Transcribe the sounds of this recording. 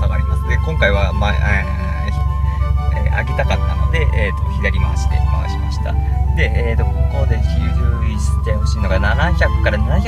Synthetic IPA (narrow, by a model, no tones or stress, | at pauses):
aɡaɾʲimasɨnekõŋkaiβ̞amae | ea̰ke̞t̪akat̪ːa̰no̞̰d̪e̞ʔeːt̪oçid̪aɾʲima̰sɨ̥t̪ḛkaβa̰ɕimaɕi̥t̪a̰d̪̥e̞ʔeːt̪okokoβd̪eçʲʑɨːisi̥t̪e̞ho̞ɕiːno̞ɡananaçʲakɯ̥kːaɾananaçʲa